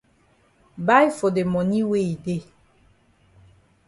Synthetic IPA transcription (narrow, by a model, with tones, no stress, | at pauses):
ba˦jfo˨de˨mɔ̃˨nĩ˦we˦˨i˨de˦